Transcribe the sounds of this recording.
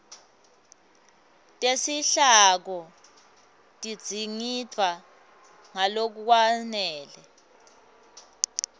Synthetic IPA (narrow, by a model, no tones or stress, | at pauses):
tʼesiɬak̬ɔ | tʼi̥d͡z̥ʱiŋitʰwa | ŋalok̬uk̬wanɛːlɛ